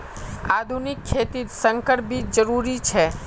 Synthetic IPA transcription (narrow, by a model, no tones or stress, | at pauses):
ad̪ʱunikʰːet̪isəŋkəɾbʱid͡ʒəɾuɾit͡ʃʰe